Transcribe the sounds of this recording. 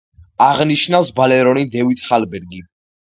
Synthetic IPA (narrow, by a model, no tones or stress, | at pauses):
aʁniʃnafsbalɛɾɔnid̪ɛvit̪χalbɛɾɡi